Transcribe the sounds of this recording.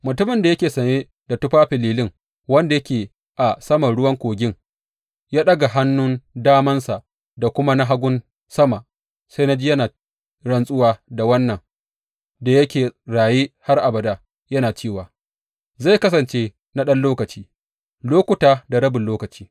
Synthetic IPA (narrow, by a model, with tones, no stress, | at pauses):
mʊ˨tʊ˦mɪ˨nda˨jɐ˦kʲeː˨sɐ˨neː˦ | da˨tʊ˦ɸaː˦ɸɪ˨liː˨lɪ˦ŋ | wɐ˦nda˨jɐ˦kʲeː˨ | ʔa˨sɐ˦mɐ˨ɽʊ˦wɐ˦ŋkʷoː˨ɡʲɪ˦ŋ | jaː˦ɗɐ˦ɡa˨ɦa˦nːʊ˦ndaː˦mɐ˦nsa˨ʔ | da˨kʷʊ˦ma˦na˦ɦa˦ɡʷʊ˦n | sɐ˦ma˨ʔ | sa˦jna˦d͡ʒiː˦jɐ˦naː˨ | ɽɐ˦nsʼʊ˦waː˦da˨wɐ˦nːɐ˨ŋ | da˨jɐ˦kʲeː˨ɽaː˨je˦ha˦rʔa˨bɐ˨da˦ | jɐ˦naː˨t͡ʃeː˦˨waː˨ | za˦˨jkɐ˦s̬ɐ˨nt͡ʃeː˦ | na˦ɗɐ˦nloː˦kɐ˨t͡ʃiː˦ | loː˦kʷʊ˨taː˨da˨ɾɐ˦bɪ˨lloː˦kɐ˨t͡ʃi̥ː˦